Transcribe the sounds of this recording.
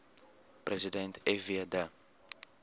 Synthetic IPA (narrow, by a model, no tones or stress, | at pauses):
pɾezid̪ẽnt̪eviad̪a